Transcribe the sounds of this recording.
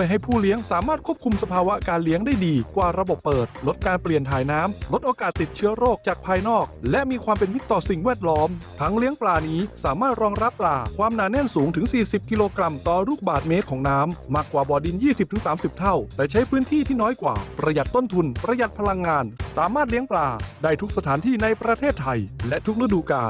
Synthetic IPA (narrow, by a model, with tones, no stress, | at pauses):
jɦa˥˩jpʰuː˥˩li˦˥əŋsaː˩˦maː˥˩t̪̚kʰu˥˩əp̚kʰu˧msa˧pʰaː˧wa˦˥kaː˧nli˦˥əŋdaː˥˩jdiː˧kwaː˨˩ɾa˧bo˨˩pːɤː˨˩t̪̚lo˦˥t̪̚kaː˧npli˨˩ənt̪ʰaː˩jnaː˦˥mlo˦˥t̪ʔoː˧kaː˨˩t̪ːi˨˩t̚t͡ɕʰɯ˦˥ɐɾoː˥˩k̚t͡ɕaː˨˩k̚pʰaː˧jnɔː˥˩k̚lɛ˦˥ʔmiː˧kʰwaː˧mpe˧nwi˦˥t̪ːɔː˨˩si˨˩ŋwɛː˥˩t̪̚lɔː˦˥mt̪ʰa˦˥ŋli˦˥əŋplaː˧niː˦˥saː˩˦maː˥˩t̪̚ɾɔː˧ŋɾa˦˥pːlaː˧kʰwaː˧mnaː˧ne˥˩nsuː˩˦ŋt̪ʰɯ˩˦ŋsiː˨˩si˨˩p̚ki˧loː˧kɾa˧mt̪ɔː˨˩ɾuː˥˩k̚baː˨˩t̪̚meː˦˥t̪̚kʰɔː˩˦ŋnaː˦˥mːaː˧˩kːwaː˨˩bɔː˨˩di˧njiː˥˩si˨˩p̚t̪ɯ˩˦saː˩˦msi˨˩p̚t̪ʰa˥˩wt̪ɛː˨˩t͡ɕʰa˦˥jpʰɯː˦˥nt̪ʰiː˥˩t̪ʰiː˥˩nɔː˦˥jkwa̰ː˨˩pɾa˧ja˨˩t̪ːo˥˩nt̪ʰu˧npɾa˧ja˨˩t̪̚pʰa˧la˧ŋːaː˧nsaː˩˦maː˥˩t̪̚li˦˥əŋplaː˧daː˥˩jt̪ʰu˦˥k̚sa˧t̪ʰaː˩˦nt̪ʰiː˥˩na˧jpɾa˧t̪ʰeː˥˩t̪ʰːa˧jlɛ˦˥ʔt̪ʰu˦˥k̚ɾa˦˧˥du˧ka̰ː˨˧n